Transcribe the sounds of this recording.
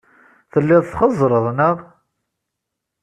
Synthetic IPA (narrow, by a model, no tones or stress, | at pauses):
θəlːɪðˤθχəzˤːɾˤəðˤnəʁ